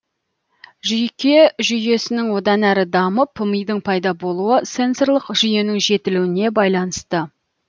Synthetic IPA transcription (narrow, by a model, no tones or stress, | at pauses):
ʒʏjkʲe̞ʒʏje̞sɪnɪŋwo̞d̪ɑnæɾɪd̪ɑməpʰəməjd̪əɴpʰɑjd̪ɑbo̞lˠuəse̞nso̞ɾlˠəqʒ̥ʏje̞nɪŋʒe̞t̪ɪluwɪne̞bɑjlˠɑnəst̪ə